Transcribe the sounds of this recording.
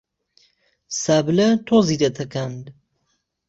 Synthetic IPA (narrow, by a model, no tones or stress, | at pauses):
saːblɐt̪ʰoːzid̪ɐt̪ʰɐkand̪